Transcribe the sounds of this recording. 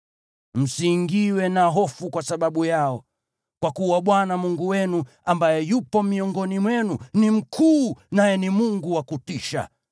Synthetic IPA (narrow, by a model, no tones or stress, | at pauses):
m̩siŋɡiwɛnaɦɔfukwasaɓaɓujaɔ | kwakuwaɓwanamuŋɡuwɛnu | ambajɛjupɔmiɔŋɡɔnimwɛnunim̩kʰuːnajɛnimuŋɡuwakutiʃa̰